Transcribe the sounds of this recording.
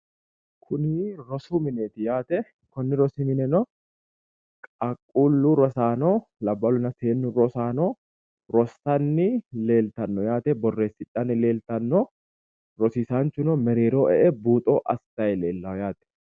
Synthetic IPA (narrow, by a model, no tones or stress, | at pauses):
kʰʊnɪɾɔsuːmɪneːt̪ɪjaːt̪ɛ | kɔnːɪɾɔsimɪnɛnɔ | kʼɐkʼːuːlːuːɾɔsaːnoːlɐbːɐlʊnɐseːnːʊɾɔsaːnoː | ɾɔstɐnːɪle̞ːlt̪ɐnːɔjaːt̪ɛbɔrːe̞ːsɪᶑanɪle̞ːlt̪ɐnːɔ | ɾɔsiːsaːnt͡ʃːʊnɔmɛɾeːɾoːʔɛ̰ʔɛbuːt̪ʼo̰ːʔɐst̪ɐjɛleːlːɐwjaːt̪ɛ̥